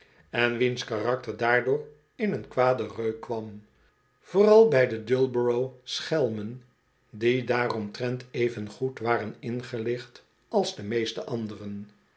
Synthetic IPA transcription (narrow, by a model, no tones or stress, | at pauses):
ɛnʋinskarɑk̚təɹdaːɹdʊːɹ | ɪnənkʋaːdərøɥkʋɑm | v̥oːrɑlˠbɛjdədʏlˠbəɹowsχɛlˠmən | didaːrɔmtrɛntʰejvənχutʋaːɾənɪnχəlɪχt | ɑlˠzdəmejstəʔɑndərən